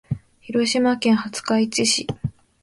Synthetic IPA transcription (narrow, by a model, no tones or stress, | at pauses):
çiɾo̞ɕimakẽ̞ɰ̃hat͡sɨ̥kait͡ɕiɕi